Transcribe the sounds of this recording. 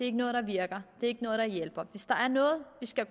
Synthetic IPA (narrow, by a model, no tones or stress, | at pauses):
eɐe̝ɡ̥ənɔːð̞̩ˠd̥ɑ̈ʋiɐɡ̥ɐd̥e̝ɐe̝ɡ̥ənɔ̽ːð̞̩ˠd̥ɑ̈jel̰b̥ɐʋe̝sd̥ɑ̈ʔæɐnɔ̽ːð̞̩ˠʋisɡ̥æ